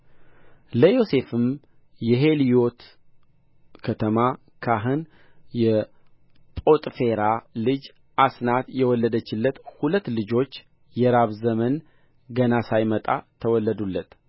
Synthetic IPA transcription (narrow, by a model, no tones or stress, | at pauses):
ləjo̞se̞fɨm | jɛɦe̞lijo̞t̪ | kʰət̪ʰəma | kʰaɦɨn | jɛ | pʼo̞t̪ʼfe̞ɾalɨd͡ʒ | ʔasnat̪jɛwɔlːəd̪ət͡ʃːɪlːət̪hulət̪ːlɨd͡ʒo̞t͡ʃː | jɛɾaβzəmən | ɡənasajmət̪ʼa̰t̪ʰəwɔlːəd̪ulːət̪